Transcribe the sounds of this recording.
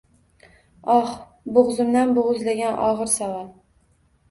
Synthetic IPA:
ɒh | bʊʁzʊmd̪anbʊʁʊzlaɡʲanʔɒ̰ʁɨɾsaval

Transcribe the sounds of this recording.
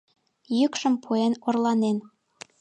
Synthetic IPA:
jykʃə̆mpʰuenorlɑnen

